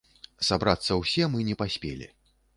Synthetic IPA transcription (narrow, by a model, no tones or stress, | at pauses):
sabɾat̪sːɐwsʲɛmɨnʲɛpasʲpʲḛlʲḭ